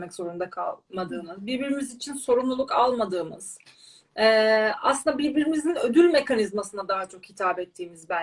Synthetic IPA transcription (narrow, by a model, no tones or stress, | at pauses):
mɛcz̥o̞ɾund̪akʰa̰lˠmad̪ɯːmɯzbiɾbiɾimizit͡ʃʰinso̞ɾumlˠulˠukalˠmad̪ɯːmɯz̥ | ɛːa̰sɯnd̪abiɾbiɾimizinø̞d̪ylʲme̞kanizmasɯnad̪aɦat͡ʃʰo̞khit̪ʰaːbɛt̪ʰːiːmizbæ